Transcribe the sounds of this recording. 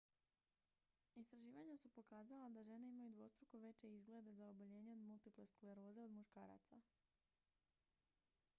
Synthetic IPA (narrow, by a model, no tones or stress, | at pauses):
ist̪ɾaʒiːʋaɲasupo̞kaːzalad̪aʒe̞neimajud̪ʋo̞st̪ɾukoʋe̞t͡ɕe̞izɡle̞d̪e̞zaoboʎe̞ːɲe̞o̞d̪mulˠt̪ipleskleɾo̞ːzeo̞d̪muʃkaːɾa̰t̪sa